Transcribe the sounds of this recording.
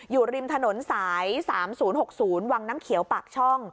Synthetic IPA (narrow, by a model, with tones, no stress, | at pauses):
juː˨˩ɾi˧mt̪ʰa˧no˩˦nsaː˩˦jsaː˩˦msuː˩˦nho˨˩k̚suː˩˦nwaː˧ŋnaː˦˥mkʰi˨˩˦wpa˨˩k̚t͡ɕʰɔ˥˩ŋ